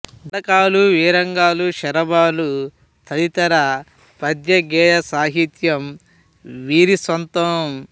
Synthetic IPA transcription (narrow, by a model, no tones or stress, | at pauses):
ɐkaːluʋiːɾɐŋɡaːluʃɐɾɐbaːlu | t̪ʰɐd̪it̪ɐɾɐ | pɐd̪jɐɡɛːjɐsaːɦit̪jɐm | ʋiːɾisɐnt̪ɐm